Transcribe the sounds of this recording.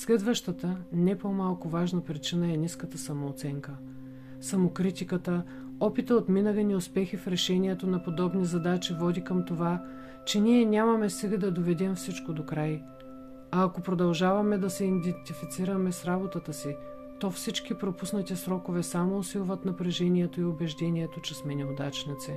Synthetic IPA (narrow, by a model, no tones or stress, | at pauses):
slɛd̪vəʃt̪ət̪ənɛpomalˠkʊvaʒnɐpɾit͡ʃinəɛniskət̪əsɐmoːt̪sɛŋkə | sɐmokɾit̪ikət̪ə | ɔpit̪əot̪minəɡɐniʊspɛxifɾɛʃɛnʲiɛt̪onɐpod̪ɔbnizɐd̪at͡ʃivɔd̪ikɐmt̪ova | t͡ʃɛniɛnʲamɐmɛsɛɡəd̪ɐd̪ovɛd̪ɛmfsit͡ʃkod̪okɾaj | ɐːkopɾod̪ɐlˠʒavɐmɛd̪ɐsɛind̪ɛnt̪ifit̪siɾɐmɛsɾabot̪ət̪əsi | t̪ɔfsit͡ʃkipɾopusnɐt̪isɾɔkovɛsamoːsilˠvɐt̪nɐpɾɛʒɛniɛt̪oiobɛʒd̪ɛnʲiɛt̪ot͡ʃɛsmɛnɛod̪at͡ʃnɐt̪sɛ